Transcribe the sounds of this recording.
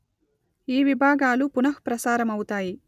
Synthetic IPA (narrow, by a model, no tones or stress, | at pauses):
iːʋibʱaːɡaːlupunɐhpɾɐsaːɾɐmɐwut̪aːji